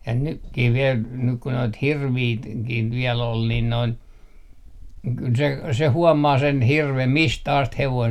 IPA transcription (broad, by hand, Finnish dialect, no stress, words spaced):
jɑ nykːih ʋiel nyk ku noit hirʋiː t kih ʋiɛl ol nin noin kyl se se huɔmɑː sen hirʋem mistæ ɑst heʋoin